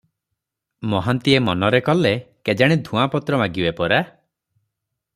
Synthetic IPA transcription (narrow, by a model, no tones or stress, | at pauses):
mɔɦant̪iemɔnɔɾekɔleked͡ʒaɽ̃id̪ʱũapɔt̪ɾɔmaɡiwepɔɾa